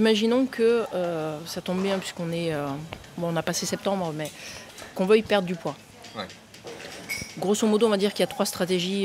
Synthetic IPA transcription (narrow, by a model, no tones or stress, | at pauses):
imaʒinɔ̃kʰəøsat̪ɔ̃bːjɛ̃pɥiskɔ̃nɛøbɔ̃ɔ̃napasesɛp̚t̪ɑ̃bʁmɛkɔ̃vøipɛʁd̪ʁəd̪ypwã | ɡʁosomɔd̪oɔ̃vad̪iʁkʲiljat̪χwast̪χat̪eʒi